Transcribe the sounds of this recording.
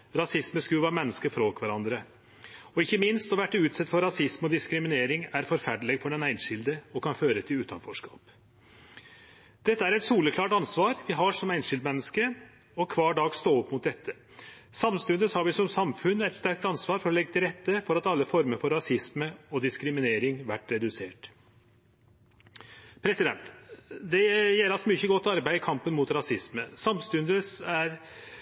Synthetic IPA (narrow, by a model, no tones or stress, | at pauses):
ɾɑsɪsməskʉʋɑːɾmɛnːəskəfɾoːkʰʋæɾɑnd̪ɾə | ɔɪçːəmɪnst̪ɔʋæʈːəʉːt̪sɛt̪ːfɔɾɑsɪsmɔd̪ɪskɾɪmɪneːɾɪŋæɾfɔɾfæɖɭɛɡfɔɖɛnæɪnʂɪld̪əɔkɑnføːɾət̪ʰɪlʉːt̪ɑ̰nfɔʂkɑ̰ːp | d̪̥ɛt̪ːəæɾɛt̪suːləkʰlɑːʈɑnsʋɑːɾʋɪɦɑʂɔmæɪnʂɪld̪mɛnːəskə | ɔkʰʋɑːɖɑːɡst̪oːɔpmʊt̪̚d̪ɛt̪ʰːə | sɑmst̪ʉnd̪əshɑɾʋɪsɔmsɑmfʉnːæɪt̪st̪æɾk̚t̪ɑnsʋɑːɾfɔɾɔlɛɡːət̪ɪlɾɛt̪ːəfɔɾɑt̪ɑlːəfɔɾməɾfɔɾːɑsɪsməɔd̪ɪskɾɪmɪneːɾɪŋʋæʈːɾɛd̪ʉseːʈ | pʰɾɛsɪd̪ɛnt̪d̪ɛjɛlɑsmyːçəɡɔt̪ːɑɾbæɪkʰɑmpənmʊt̪ɾɑsɪsməsɑmst̪ʉnd̪əsæɾ